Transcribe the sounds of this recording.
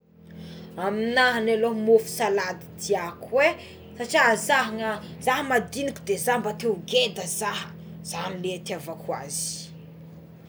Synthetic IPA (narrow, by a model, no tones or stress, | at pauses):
aminaɦanalomofu̥salad̪it̪iakwe | saʈ͡ʂiazaɦəŋazaɦəmad̪inikud̪ezambat̪euɡed̪əzaɦə̥ | z̥anilet̪iavakwa̰z̥i̥